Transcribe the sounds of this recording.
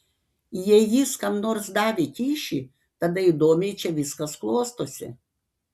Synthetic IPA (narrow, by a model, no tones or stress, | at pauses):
jɛjiːskɐmnoːɾsd̪ɑːʋʲekʲiːʃʲi | t̪ɐd̪ɐid̪oːmʲɛɪt͡ʃʲɛʋʲɪskɐsklˠoːst̪oːsʲɪ̰